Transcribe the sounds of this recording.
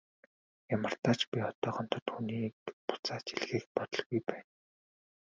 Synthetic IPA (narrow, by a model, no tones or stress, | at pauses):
jamə̆r̥t̪aːt͡ɕpʲiχɔt̪ɔːχɔn̥t̪ɞ̆t̪xuːniːpʊ̥t͡saːt͡ɕiɮɣiːk̚pɔt̪ɞ̆ɮɣujpæːn